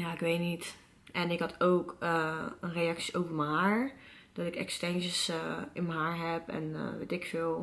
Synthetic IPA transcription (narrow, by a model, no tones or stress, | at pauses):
jaːɪkʋejtnit | ʔɛnɪkɦɑtowkʰəənrejɑksi̥ʔowvəməɦaːɹ | d̥ɔtɪkɛ̰kstɛnʒəsɪnməɦaːɹɦɛpɛ̰n̰ʋḛtɪkfɪlˠ